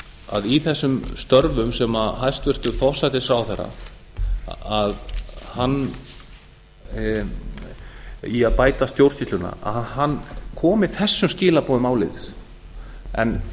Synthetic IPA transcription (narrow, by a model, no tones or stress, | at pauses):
a̰ðiθɛsːʏmst̪œɾvʏmsɛmaɦajst̪vɪr̥t̪ʏfɔr̥sajt̪ɪsawθɛɾa̰ | aðhanː | iaðpaːjt̪ast̪jowɾr̥sist̪lʏna̰a̰hɦanːkʰɔːmɪθɛsːʏmscɪːlapɔːðʏmaːwlɪðɪs | ɛ̰n